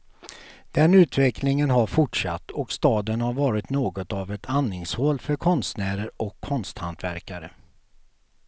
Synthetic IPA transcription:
d̪̥ɛnʉ̟ːt̪vɛklɪŋənɦaɾfʊʈʂa̰t̪ːɔkst̪ɑːd̪ənhaɾvɑːɾɪt̪noːɡɔt̪avɛt̪ʰanːɪŋshoːlfœɾkʰɔnst̪næːɾəɾɔkʰːɔnst̪hant̪ʰvæ̰ɾkaɾə

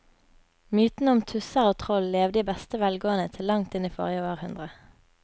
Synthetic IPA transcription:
myːt̪n̩əɔmt̪ʰʉsəʁoːt̪ʰʁɔlleːʋd̪əiːbɛst̪əʋɛlɡoːənət̪ʰɪllːɑŋt̪ɪniːfɔ̰ʁjəʋɑːʁhʉnd̪ʁə

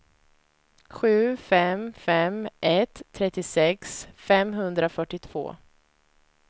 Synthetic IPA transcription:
ɧʉ̟ːfɛmfɛmʔɛt̪ʰːɾɛt̪ːɪsɛksfɛmɦɵnd̪ɾafœʈːɪt̪ʰv̥o̰ː

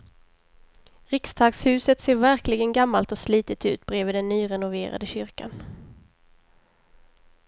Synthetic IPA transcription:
ɾɪkst̪ʰɑːɡshʉ̟ːsət̪seːɾvæɾklɪɡənɡamːalt̪ɔsliːt̪ət̪ʉ̟ːt̪̚bɾeːvəːd̪ɛnːyːɾɛnʊvḛːɾa̰d̪əɕʏɾka̰n

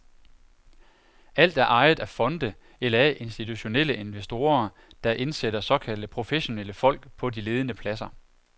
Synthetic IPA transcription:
æl̰d̥æɐʔɑ̈ɪð̩ˠæfɒ̽nd̥ə | elɐæʔe̝nsd̥it͡sʰuɕo̝nel̰əʔe̝nʋesd̥o̝ːɐ | d̥ɑ̈ʔe̝nsed̥ɐsɒ̽kʰæl̰d̥əpʰʁo̝feɕo̝neləfɒ̽l̰ɡ̥pʰɒ̽dile̝ːð̞ˠənəpʰlæsɐ

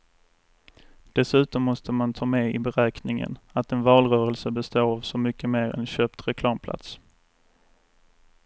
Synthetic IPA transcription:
d̪̥ɛsʉ̟ːt̪ɔmːɔst̪əmant̪ʰɑːmɛɪbɛɾɛːknɪŋə̰nat̪ɛnvɑːlɾœːɾəlsəbɛst̪oːavsɔmʏkːəmeːɾɛ̰nɕøːpt̪ɾɛkʰlɑːmpʰlʔa̰t̪s

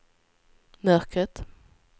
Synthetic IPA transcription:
mœɾkʰət̪

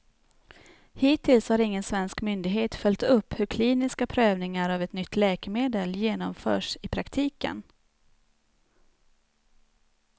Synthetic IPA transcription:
hiːt̪ʰːɪlshaɾɪŋːənsvɛnskmʏnd̪ɪɡɦeːt̪fœlʲt̪ɵpːhɵɾkʰliːnɪskapʰɾøːvnɪŋaɾavɛt̪nʏt̪ʰːlɛːkəmeːd̪əljeːnɔmfœ̰ːʂɪpʰɾakt̪ʰiːkə̰n

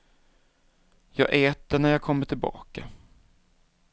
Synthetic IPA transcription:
jɑ̰ːɡʔɛːt̪ːəɳæɾjɑːɡ̚kʰɔmːəʈʰɪlbɑ̰ːka

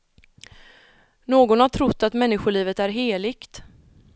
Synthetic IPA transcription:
noːɡɔnhaʈʰɾʊt̪ːat̪mɛnːɪɧʊɭiːvət̪æɾɦeːlɪkt̪

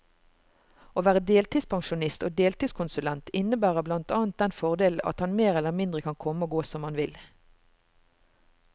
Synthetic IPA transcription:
oːʋæːʁəd̪eːlt̪ʰiːspʰɑŋʃʊnɪst̪oːd̪eːlt̪iːskʰʊnsʉlɛnt̪ɪnəbæːʁəblɑnt̪ɑːnt̪̚d̪ɛnfɔʁd̪eːl̩ɑ̰t̪hɑnmeːʁɛləʁmɪnd̪ʁəkʰɑnkʰɔməoːɡoːsɔmɑnʋɪl

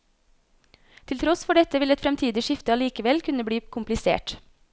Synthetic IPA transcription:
t̪ʰɪlt̪ʰɾɔsfɔɖɛt̪əʋɪlɛt̪fɾɛmt̪ʰiːd̪ɪʃɪft̪əɑliːkəʋɛlkʰʉnəbɽiːkʰʊmplɪsḛːʈ

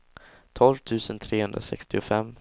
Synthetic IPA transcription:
t̪ʰɔlvt̪ʰʉ̟ːsənt̪ʰɾeːhɵnd̪ɾa̰sɛ̰kst̪ɪʊfɛmː

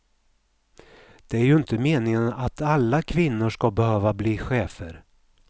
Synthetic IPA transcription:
d̪̥ɛæɾjɵɪnt̪əmeːnɪŋənat̪alːakʰvɪnːʊʂkabɛhøːvabliːɧeːfəɾ

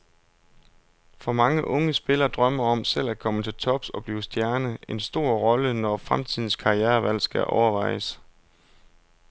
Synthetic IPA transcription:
fɒ̽mɑ̈ŋəʔɔ̽ŋəsb̥e̝lɐːd̥ʁɶmɐɒ̽msel̰æ̥kʰɒ̽mət͡sʰe̝lt͡sʰɒ̽b̥sɒ̽b̥liːsd̥jæɐnəe̝nsd̥o̝ɐ̰ʁɒ̽lənɒfʁamt͡sʰið̞̰ˠn̩skʰɑ̈iæːɐʋæl̰sɡ̥æʔɒʊɐʋɑ̈ɪ̰əs

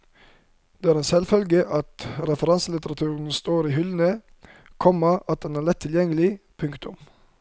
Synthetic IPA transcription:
d̪̥eːæːɾeːnsɛlfœlɡəʔɑt̪ɾɛfəɾɑnsəlɪt̪əɾɑt̪ʰʉːɾn̩st̪oːɾiːɦʏlnə | kʰɔməɑt̪̚d̪ɛnæːʁlɛt̪ʰːɪljɛŋəlɪpʰʉŋkt̪ʊ̰m

